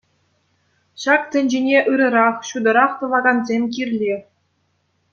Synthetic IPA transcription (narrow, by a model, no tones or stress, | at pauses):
ɕɑkt̪ʲɘ̆nʲd͡ʑenʲeʔɯɾɤ̆ɾɑχɕud̪ɤ̆ɾɑχt̪ɤ̆ʋɑɡɑnzʲemʲk̬ʲirʲlʲi